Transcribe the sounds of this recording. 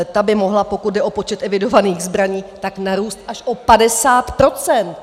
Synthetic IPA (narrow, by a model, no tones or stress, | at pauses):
t̪abɪmo̞ɦlapo̞kut̪̚dɛʔo̞po̞t͡ʃɛt̪ɛvɪdo̞vaniːɣzbɾaɲiːt̪aknaɾuːst̪ʔaʃʔo̞padɛsaːt̪pɾo̞t͡sɛnt̪